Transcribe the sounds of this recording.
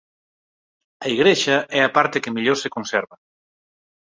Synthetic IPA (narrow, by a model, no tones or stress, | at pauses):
ɐiɣɾeʃɐʔɛapaɾt̪ekemiʎoɾsekonsɛɾβɐ